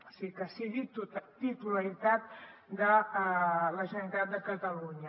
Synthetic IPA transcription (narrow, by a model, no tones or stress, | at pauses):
osikəsiɣit̪t̪it̪uləɾit̪at̪d̪ə | ləʒəəɾit̪at̪̚d̪əkət̪əluɲə